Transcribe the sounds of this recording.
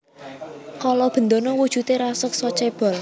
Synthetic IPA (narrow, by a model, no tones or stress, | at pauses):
kalɔb̥ə̤nd̪onɔwud̥ʒ̥ṳt̪eɾasʊk̚sɔt͡ʃeb̥ɔ̤l